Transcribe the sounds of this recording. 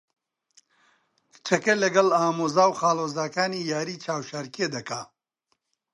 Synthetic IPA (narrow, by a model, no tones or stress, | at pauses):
t͡ʃʰɐkɐlɐɡɐlaːmoːzaːwχaːloːzaːkaːniːjaːɾiːt͡ʃʰaːwʃaɾked̪ɐkaː